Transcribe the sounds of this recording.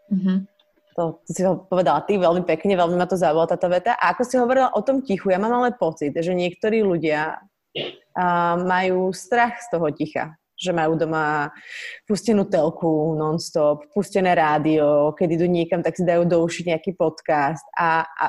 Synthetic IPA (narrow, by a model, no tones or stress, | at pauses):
ɦ̩ | t̪ɔt̪isiɔpɔʋɛd̪alat̪iʋɛlmipɛkɲɛʋɛlmimat̪ɔzaujalat̪aːt̪ɔʋɛt̪aʔaakɔsiɦɔʋɔɾilaʔɔt̪ɔmcixujamaːmalɛnpɔt͡sid̪ʒɛɲɪɛkt̪ɔɾiːluɟɪa | majuːst̪ɾaxst̪ɔɦɔcixa̰ | ʒɛmajuːd̪ɔma | puscɛnuːt̪ɛlkunɔnst̪ɔppuscɛnɛːɾaːd̪iɔkɛd̪id̪uːɲɪɛkamt̪aksid̪ajuːd̪ɔuʃiɟɲɛakiːpɔt̪kast̪a̰